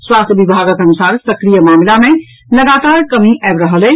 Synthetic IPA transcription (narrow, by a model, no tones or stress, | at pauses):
swaːst̪ʰəʋibʱaːɡət̪ɐnusaːɾsɐkɾijamaːmɪlamẽ | lɐɡaːt̪aːɾkɐmiʔɛːbɾɐɦəle